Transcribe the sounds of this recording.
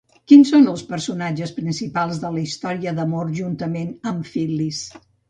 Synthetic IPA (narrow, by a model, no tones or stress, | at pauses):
kinsonəlˠspəɾsunad͡ʒəspɾinsipalˠzðələist̪ɔɾiəðəmoɾʒunt̪əmenəmfilis